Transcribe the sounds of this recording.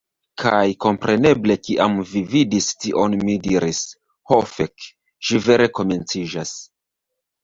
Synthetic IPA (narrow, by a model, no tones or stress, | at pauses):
kʰajko̞mpɾe̞ne̞ble̞kiʔamvividistiʔo̞nmidiɾis | hofek | ʃive̞ɾe̞ko̞me̞nt͡siʒas